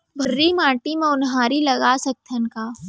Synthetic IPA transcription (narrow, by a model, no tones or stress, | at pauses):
bʱɐɾːimaːʈimẽʊnɦaːɾilɐɡaːsɐk̚t̪ʰənkaː